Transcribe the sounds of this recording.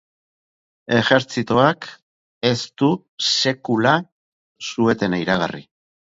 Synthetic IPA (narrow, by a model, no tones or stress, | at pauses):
e̞ʝe̞ɾt͡sit̪oak | e̞st̪u | se̞kula | sue̞t̪e̞najɾaɣa̰rḭ